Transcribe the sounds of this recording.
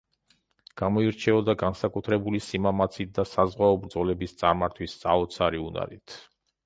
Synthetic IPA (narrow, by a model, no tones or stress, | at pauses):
ɡ̥amɔiɾt͡ʃʰɛɔd̪aɡansakʼut̪ʰɾɛbulisimamat̪sʰit̪̚d̪asazʁwaɔbɾd̪zɔlɛbist̪sʼaɾmaɾt̪ʰwissʼaɔt̪sʰaɾiuna̰ɾḭt̪ʰ